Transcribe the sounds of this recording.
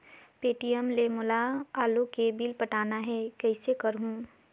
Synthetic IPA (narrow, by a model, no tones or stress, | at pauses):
peːʈijəmlemʊlaaːlokebilpəʈaːnaɦɛkəɪsekəɾɦũ